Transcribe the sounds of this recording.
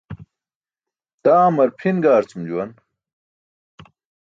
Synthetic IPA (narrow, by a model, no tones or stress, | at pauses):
t̪aːmɐɾpʰinɡaːɾt͡sumd͡ʑuwɐn